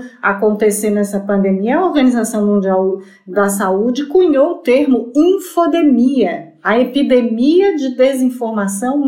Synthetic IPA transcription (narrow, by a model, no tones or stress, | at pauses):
akõnt̪esenɛsɐpɐ̃nd̪ẽmiɐɐoɾɡɐ̃nizasɐ̃w̃mũnd͡ʒiaw | d̪ɐsaud͡ʒɪkuɲoʊt̪eɾmʊĩfod̪emiɐ | ɐepid̪emiɐd͡ʒɪd̪ezĩfoɾmasɐ̃w̃